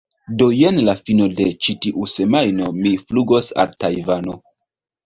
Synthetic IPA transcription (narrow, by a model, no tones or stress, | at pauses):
do̞je̞nlafino̞de̞t͡ʃitiʔuse̞majno̞mifluɡo̞sa̰ltajvano